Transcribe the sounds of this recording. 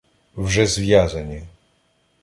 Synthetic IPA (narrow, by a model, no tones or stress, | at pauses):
vʐɛzvʲjazɛɲɛ